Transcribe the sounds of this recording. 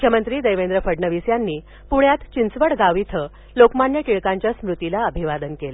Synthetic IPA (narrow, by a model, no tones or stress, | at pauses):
ukʰjəmənt̪ɾiːd̪əjʋend̪ɾəfəɖnəʋisjanːiː | puɳjat̪t͡ɕint͡sʋəɽɡaʋit̪ʰə | lokmaɳjəkiɭkaɲt͡ɕjasmɾut̪ilaəbʱiʋad̪ənkel